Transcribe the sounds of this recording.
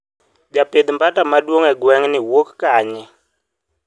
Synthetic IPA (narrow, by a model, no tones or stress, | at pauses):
ɓjapʼed̪imbatʼamaɗwoŋɛɡwɛŋnɪwokkaːɲɛ